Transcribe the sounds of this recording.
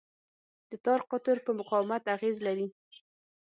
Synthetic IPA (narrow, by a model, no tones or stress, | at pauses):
d̪̥ət̪ɑɾqʊt̪əɾpəmʊqɑwɪmat̪aɣezlaɾi